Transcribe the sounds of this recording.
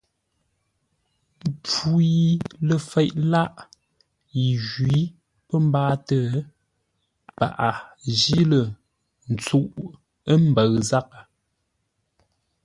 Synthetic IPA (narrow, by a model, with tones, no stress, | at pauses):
p͡fu˦i˦lə˨fɛ˦˨ʔla˦ʔ | ji˨ʒɥi˨˦ | pə˦m˦baː˦tə˦˨˦ | pa̰˨ʔa˨d͡ʒi˦lə˨ | n̩˨t͡su˦ʔ | ə˦m˦bə˨ɣza˦k̚a˨